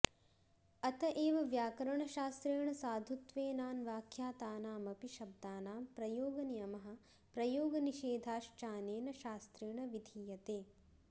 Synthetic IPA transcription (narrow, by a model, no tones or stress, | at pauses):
ɐt̪ɐʔeːʋɐʋjaːkɐɾɐɳɐʃaːst̪ɾeːɳɐsaːd̪ʱut̪ʋeːnaːnʋaːkʰjaːt̪aːnaːmɐpiʃɐb̚d̪aːnaːmpɾɐjoːɡɐnijɐmɐɦɐ̆ | pɾɐjoːɡɐniʃeːd̪ʱaːʃt͡ʃaːneːnɐʃaːst̪ɾiːɳɐʋid̪ʱiːjɐt̪eː